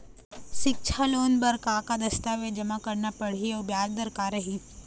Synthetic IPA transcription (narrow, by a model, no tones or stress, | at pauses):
ʃɪk̚t͡ʃʰaloːnbɐɾkaːkad̪ɐst̪aʋed͡ʒɐmakɐɾnapɐɽ̤iɔːbjaːd͡ʒd̪əɾkaːɾɐɦi